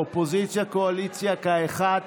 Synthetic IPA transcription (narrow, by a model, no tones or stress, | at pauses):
opozit͡sjakoalit͡sjakaeχad